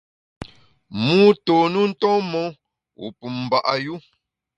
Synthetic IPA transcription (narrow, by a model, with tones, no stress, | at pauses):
mu˦to˨nu˦n̩˦tɔ̃˦mɔ˦ | ṵ˨pu˨mm̩˨ba˨ʔa˨ju˦